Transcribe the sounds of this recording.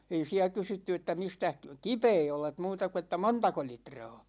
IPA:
ei siæ kysytːy etːæ mistæh kipeː olet muːtɑ ku etːæ montɑko litrɑ̝ː

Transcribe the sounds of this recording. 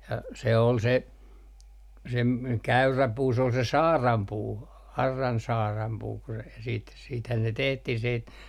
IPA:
jɑ se ol se se m kæyræ puː s ol se sɑːrɑmpuː ɑrːɑn sɑːrɑmpuː ku se siːt siːthæn ne tehtih siːt

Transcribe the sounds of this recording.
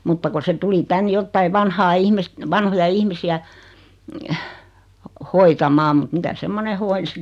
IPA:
mutːɑ ku se tuli tæn jotːɑi ʋɑnhɑː ihmist ʋɑnhojɑ ihmisiæ hoitɑmɑːm mŭt mitæ semːone hoinsi

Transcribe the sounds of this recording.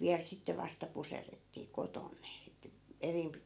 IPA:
ʋiæl sitːe ʋɑstɑ puserːetːiː koton ne sit erimpi

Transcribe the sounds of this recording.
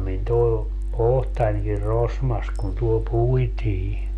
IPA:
min toe ohtɑnʲkir rosmɑs kun tuol puitiː

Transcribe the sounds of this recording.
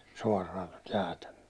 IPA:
suɒrˑɑːn̞ tot jæːtæ m̥ẙøl̥e̥

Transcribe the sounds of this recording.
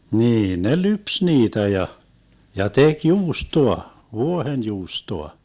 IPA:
niːn ne lyps niːtæ jɑ jɑ tek juːstoɑ ʋuohenjuːstoɑ

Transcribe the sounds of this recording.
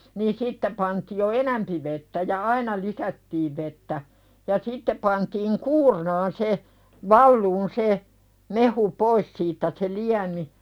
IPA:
niː sitːe pɑntiː jo enæmpi ʋetːæ jɑ ɑinɑ iːsætːiːʋ ʋetːæ jɑ sitːe pɑntiːŋ kuːrnɑːn se ʋɑlːuːn se mehu pois siːtːæ se liæmi

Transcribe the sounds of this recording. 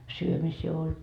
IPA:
syømisiː ol

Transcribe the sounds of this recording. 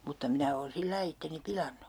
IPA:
mutːɑ minæ oːn silːɑi itːeni pilɑnːu

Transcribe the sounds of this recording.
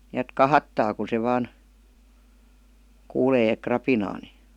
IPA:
niæt kɑhɑtːɑː ku se ʋɑːn kuːleː krɑpinɑː ni

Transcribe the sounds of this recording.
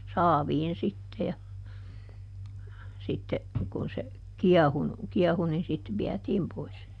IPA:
sɑːʋiːn sitːe jɑ sitːe kun se kiɛhunu kiɛhu nin sit ʋiɛtiːm pois

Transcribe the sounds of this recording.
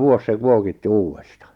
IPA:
ʋuos se kuokitːi uːwestɑ

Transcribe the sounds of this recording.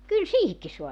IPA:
kyl siːhikːi soɑ

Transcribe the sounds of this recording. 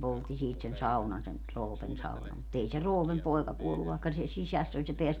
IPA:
poltːi siːt sen sɑunɑn sen roːpen sɑunɑm mut ei se roːpem poi̯kɑ kuolːu ʋɑˑi̯kːɑ se sisæsː olʲ se peæs

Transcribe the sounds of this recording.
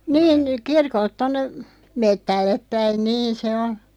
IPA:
niːn kirkolt tonːe metːælːep pæin niːn̞ se on̞

